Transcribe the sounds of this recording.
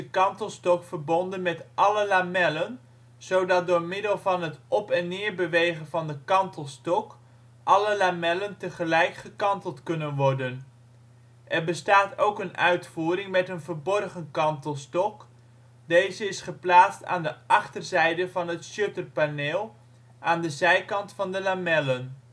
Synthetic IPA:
dəkɑntəlˠstɔkfərbɔndənmɛtʔɑləlamɛlən | z̥owdɑt̚dʊːɹmɪdəlˠvɑnɦətʔɔpɛnːɪːɹbəʋejχənvɑndəkɑntəlˠstɔk | ʔɑləlamɛləntəχəlɛjkχəkɑntəlˠtkɵnənʋɔrdən | ʔɛɹbəstaːtowkənœɥtfuːɾɪŋmɛtənvəɹbɔrχənkɑntəlˠstɔk | dejzəɪsχəplaːtsta̰ːndəʔɑχtərzɛjdəvɑnɦətʃøtərpaneːlˠ | ʔaːndəzɛjkɑntfɑndəlamɛlən

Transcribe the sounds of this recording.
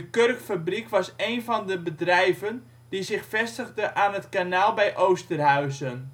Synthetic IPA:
əkørkfabrikʋɑsejnvɔndəbədrɛjvən | dizɪxfɛstəɣdəʔaːnətkanaːlˠbɛjʔowstərɦœɥzən

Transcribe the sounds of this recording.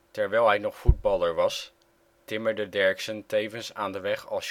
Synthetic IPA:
tɛɹʋɛjlˠɦɛjnɔχfud̚bɑlˠəɹʋɑs | tɪməɹdədɛɹksəntejvənsaːndəʋɛχɑ̰lˠs

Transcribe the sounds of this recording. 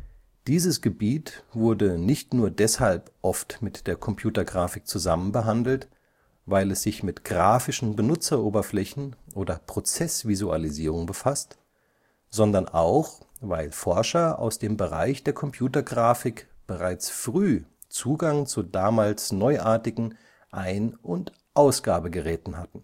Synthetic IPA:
d̥iːzəsɡ̥əbiːtv̥ʊɐdənɪçtnuːɐdɛshalpʔɔftmɪtd̥eːɐkʰɔmpʰj̥uːtɐɡʁaːfɪk̚t͡suzamənbəɦandl̩t | vaɪlɛsz̥ɪçmɪtɡ̥ʁaːfɪʃn̩bənʊt͡sɐʔoːbɐflɛçn̩ʔoːdɐpʁ̥ot͡sɛsv̥izua̰liziːʁ̞ʊŋbəfast | z̥ɔndɐnʔa̰ʊx | vaɪlfɔɐʃɐa̰ʊsd̥eːmbəʁa̰ɪçd̥eːɐkʰɔmpʰj̥uːtɐɡʁaːfɪkb̥əʁaɪt͡sfʁ̥yː | t͡suːɡaŋt͡sudaːmaːlsnɔʏʔaːɐtɪɡŋ̩ | ʔaɪnʔʊnt | ʔaʊsɡ̥aːbəɡəʁɛːtn̩hatn̩

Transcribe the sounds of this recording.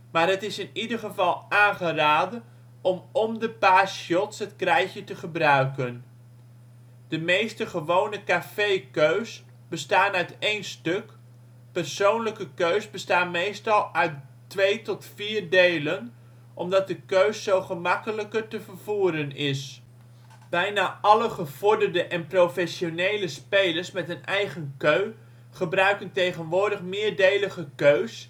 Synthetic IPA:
maːɹɦətɪsɪnidəɹχəvɑlˠaːnχəraːdə | ɔmɔmdəpaːsjɔtsɦətkrɛjçətəχəbrœɥkən | d̥əmejstəχəʋownəkafejkøɥs | b̥əstaːnœtejnstɵk | pərsownləkəkøɥsbəstaːnmejstɑlˠœɥt | ʋejtɔtfiːrdejlən | ʔɔmdɑt̚dəkøɥsːowχəmɑkələkətəvəɹv̥uːɾənɪs | b̥ɛjnaːʔɑləχəv̥ɔɹdərdəʔɛnprofɛsjonejləspejləɹsmɛtənɛjχənkøɥ | χəbrœɥkəntejχənʋʊːɹdəχmɪːɹdejləχəkøɥs

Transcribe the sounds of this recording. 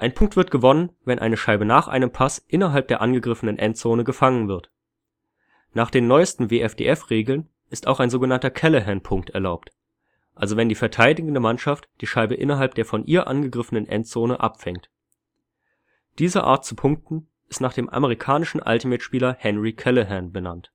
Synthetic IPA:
ʔaɪnpʰʊŋk̚tv̥ɪɐt̚ɡ̥əvɔnənvɛnʔa̰ɪnəʃaɪbənaːχʔa̰ɪnəmpʰasʔɪnɐɦalp̚d̥eːɐʔanɡəɡʁɪfənənʔɛntt͡soːnəɡəfaŋənvɪɐt | naːχd̥eːnːɔʏstn̩veːʔɛfd̥ḛːʔɛfʁeːɡl̩n | ʔɪstaʊxaɪnzoːɡənantɐkʰɛləɦɛnpʰʊŋk̚tɛɐlaʊpt | ʔalzovɛndiːfɛɐtʰaɪdɪɡn̩dəmanʃaftd̥iːʃaɪbəʔɪnɐɦalp̚d̥eːɐfɔnʔiːɐʔa̰nɡəɡʁɪfənənʔɛ̰ntt͡soːnəʔa̰pfɛŋt | d̥iːzəʔa̰ːɐt̚t͡supʰʊŋk̚tn̩ | ʔɪstnaːχd̥eːmʔa̰məʁ̞ikʰaːnɪʃn̩ʔa̰ltimɪtʃpiːlɐhɛnʁikʰɛləɦɛnbəna̰nt

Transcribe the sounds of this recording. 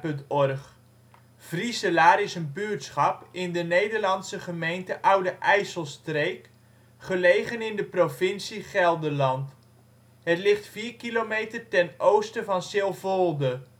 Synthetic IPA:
pɵntɔrχ | v̥risəlaːɾɪsənbyətsχɑpɪndənejdəɹlɑnsəχəmejntəʔʌwdəʔɛjsəlˠstrejk | χəlejχənɪndəprovɪnsiχɛlˠdəlɑnt | ɦətlɪχtfiːɹkilomejtərtɛnowstəvɑnsɪlˠvolˠdə

